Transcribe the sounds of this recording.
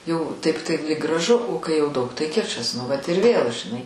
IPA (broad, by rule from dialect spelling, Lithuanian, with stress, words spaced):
jɛʊ ˈtɐɪp tɐɪ lʲiːk ɡrɐˈʒʊ oː kɐɪ jɛʊ ˈdɐʊk tɐɪ ˈkʲɪt͡ʃɐs nʊ ˈʋɐt ɪr ˈʋʲeːlˠ ʒʲɪˈnɐɪ